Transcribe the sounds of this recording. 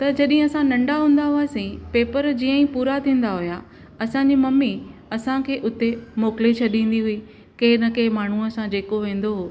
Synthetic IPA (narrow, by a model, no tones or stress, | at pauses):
t̪ɐd͡ʑɐɗɪ̃ɦɪ̃ɐsãnɐ̃ɳɖaɦũːn̆d̪aɦʊaːsĩpeːpəɾd͡ʑiːə̃ĩpuːɾat̪ʰĩːn̆d̪aɦʊja | ɐsãɲd͡ʑimɐmːiɐsãkʰeːʔʊt̪emoːkɪlet͡ɕʰɐɗĩːn̆d̪iɦʊi | keːnɐkemaːɳ̤uəsãd͡ʑeːkoʋẽːn̆d̪oɦoː